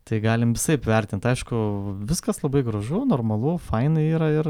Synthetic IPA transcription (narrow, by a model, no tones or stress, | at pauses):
t̪ɐɪɡɑːlʲɪmʋʲɪsɐɪpʋʲɛrʲt̪ʲɪnt̪ɐɪʃkʊʋʲɪskɐslˠɐbɐɪɡɾɐʒʊnoːrmɐlˠʊfɐɪnɐɪiːɾɐɪr